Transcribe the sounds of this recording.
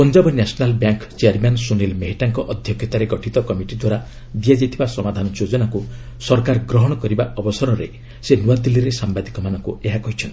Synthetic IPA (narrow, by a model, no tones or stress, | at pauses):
pɔnd͡ʒɔbɔnasɔnalbjaŋkt͡ʃeaɾmansunelmeɦiʈaŋkɔʔɔd̪ʱjɔkʰjɔt̪aɾeɡɔʈʰit̪ɔkɔmiʈid̪waɾa | d̪iad͡ʒajt̪ʰibasɔmad̪ʱanɔjod͡ʒɔnaku | sɔɾkaɾɡɾɔɦɔɽ̃ɔkɔɾibaʔɔbɔsɔɾɔɾe | senuwad̪ilːiɾesambad̪ikɔmanɔŋkueɦakɔɦit͡ʃʰɔnt̪i̥